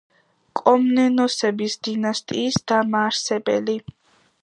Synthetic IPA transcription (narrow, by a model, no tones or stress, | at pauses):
kʼɔmnɛnɔsɛbisd̪̥inast̪ʼiːsd̪̥amaːɾsɛbɛ̰li